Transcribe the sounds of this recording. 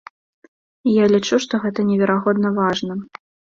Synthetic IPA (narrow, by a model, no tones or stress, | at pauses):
ijalʲit͡ʂuʂt̪ɔɣɛt̪ɐnʲɛvʲɛɾaɣɔd̪nɐvaʐnɐ